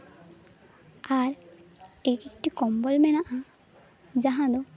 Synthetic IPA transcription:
aɾ | ekekʈikɔmbɔlmɛnaʔã | d͡ʒaɦãd̪ɔ

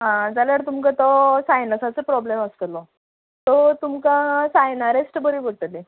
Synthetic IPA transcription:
ɦãd͡zaljaɾt̪umkat̪ɔsajnəsat͡səpɾɔbleməst̪lɔ | t̪ɔt̪umkasajnaɾesʈbəɾibəʈəle

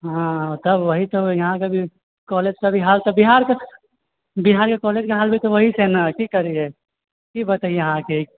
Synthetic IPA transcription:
ɦãt̪ɐbʋəɦit̪ojɐɦãkabʱi | kɔːled͡ʒkabʱiɦaːlt̪ɔbiɦaːɾke | biɦaːɾkekɔːled͡ʒkaɦaːlbʱit̪oʋɐɦit͡ʃʰɛnakikɐɾie | kibət̪aijɐɦãke

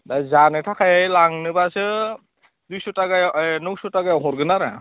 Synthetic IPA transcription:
dazanɯtʰakʰajajlaŋnɯbasɯ | dujsutaɡajnuk̚sutaɡajawɦɔɾɡɯnaɾa̰

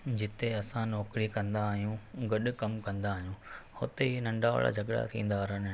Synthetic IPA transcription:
d͡ʑɪt̪eɐsãnɔːkɾikɐ̃nd̪aːɦijũɡɐɗʊ̆kɐmkɐ̃nd̪aːɦijũhʊt̪einɐ̃ɳɖʱaʋə̰ɭa̰d͡ʑʱɐɡɽa̰t̪ʰĩːn̆d̪aːɾən

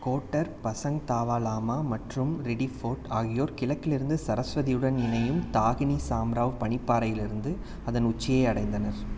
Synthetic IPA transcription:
koːʈːɐɾpɐsɐŋt̪aːʋaːlaːmaːmɐʈrɯmɾɪɽifoːʈaːɣɪjoːɾkɪlɐkːɪlɪɾɯnd̪ɯsɐɾɐsʋɐðɪjɯɽɐnɪnɐjɯmt̪aːɣɪnisaːmɾaːʋpɐɳɪpːaːɾɐjɪlɪɾɯnd̪ɯ | ɐðɐnʊt͡ʃːɪjɐɪɐɽɐɪnd̪ɐnɐɾ

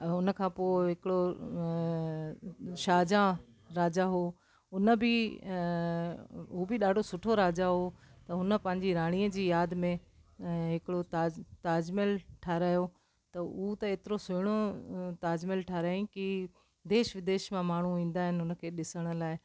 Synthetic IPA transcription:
ʊnə̆kʰãːpoːɪɦɪkɪɽo | ʃaːd͡ʑã | ɾaːd͡ʑaɦoː | ʊnə̆bɪ | ɦubɪɗaːɖʱosʊʈʰoɾaːd͡ʑaɦot̪ɐɦʊnə̆pɐ̃ɦɪɲd͡ʑiɾaːɽ̃iːəd͡ʑiːjaːd̪mẽ | ɦɪkɪɽot̪aːt̪aːd͡ʑmɪlʈʰaːɾaːjo | t̪ɐʊut̪ɐeːt̪ɪɾosʊɪɽ̃ot̪aːd͡ʑmɪlʈʰaːɾaːĩki | d̪eːʃəʋɪd̪eːʃmãmaːɳ̤uʋĩːn̆d̪aːɦɪnɪʊnə̆kʰeːɗɪsəɽ̃ə̆laːɪ

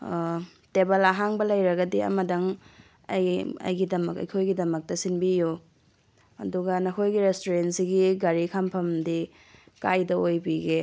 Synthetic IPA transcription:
tebɐlaɦaŋbɐlɐjɾɐɡɐdiɐ̰mɐdɐŋ | ɐ̰jɐ̰jɡidɐmɐkɐ̰jkʰojɡidɐmɐk̚tɐsinbiju | ɐduɡɐnɐkʰojɡiɾestoɾensiɡiɡaɾikʰampʰɐmdi | kajdɐojbiɡe

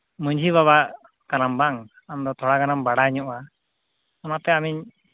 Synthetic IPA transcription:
məɲd͡ʒiβaβaʔ | kanambaŋ | amd̪ɔt̪ʰɔɽaɡanambaɽaɲɔʔwa | ɔnat̪ɛamiɲ

